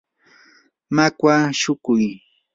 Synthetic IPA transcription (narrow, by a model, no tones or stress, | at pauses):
makwaʃʊkʊj